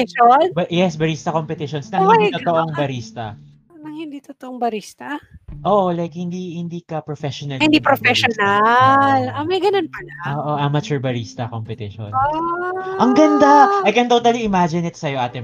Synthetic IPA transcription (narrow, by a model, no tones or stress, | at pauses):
ʃonbjɛsbɐɾist̪ɐkompɛt̪ɪʃonsnɐŋhɪnit̪ot̪oʔoŋbɐɾiːst̪ɐ̰ | nɐŋhɪnd̪iːt̪ot̪oʔoŋbɐɾist̪ɐʔoːʔolajkhɪnd̪ihɪnd̪iːkɐpɹofɛʃɔnɐhɪnd̪ipɾofɛʃonalɐmɐjɡɐnonpɐlaʔoːʔoʔɐmɐt͡ʃʊɹbɐɾiːst̪ɐkompɛt̪ɪʃo̰n | ʔɐŋɡɐnd̪aʔɐjkɛnt̪ot̪ɐliʔɪmad͡ʒɪnɪt̪sɐjo̞ʔaːt̪ɪ